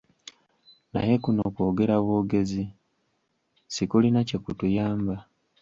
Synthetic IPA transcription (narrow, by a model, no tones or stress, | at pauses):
na̰je̞kunoko̞ːɡe̞ɾaβo̞ːɡe̞zi | sikulinace̞kutujaːmba